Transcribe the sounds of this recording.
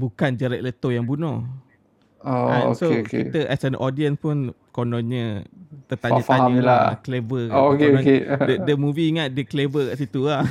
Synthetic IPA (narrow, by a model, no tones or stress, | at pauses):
bukand͡ʒəɾɛʔ̚lət̪ojaŋbunɔ | oo̰soeokeḭt̪əʔɛsənʔɔdiənspʊn | konɔɲət̪ət̪aaəfaaamila̰klevəookeoakedədəmuviːŋat̪̚dəklevəkaʔsit̪ula